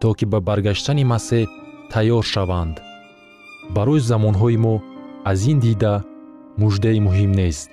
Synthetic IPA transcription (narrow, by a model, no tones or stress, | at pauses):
t̪ʰɔkibabaɾɡaʃt̪ʰanimaset̪ʰajɔɾʃavand̪ | baɾɔjizamɔnɦɔimɔazind̪id̪a | mud͡ʒd̪aimuɦimnest̪